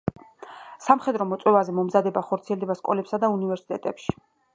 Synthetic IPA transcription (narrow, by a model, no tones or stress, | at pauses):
samχɛd̪ɾɔmɔt̪sʼwɛvazɛmɔmzad̪ɛbaχɔɾt̪sʰiɛld̪ɛbaskʼɔlɛpsad̪aunivɛɾsi̥t̪ʼɛ̰t̪ʼɛpʃi̥